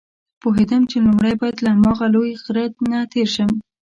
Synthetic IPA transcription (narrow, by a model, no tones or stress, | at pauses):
poɦed̪əmt͡ʃelumɽajbɑjad̪laamɑɣalojɣɾat̪nat̪ʰeɾʃəm